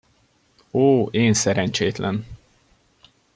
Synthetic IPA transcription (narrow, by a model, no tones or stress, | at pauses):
oːeːnsɛɾɛɲt͡ʃeːt̪lʔɛn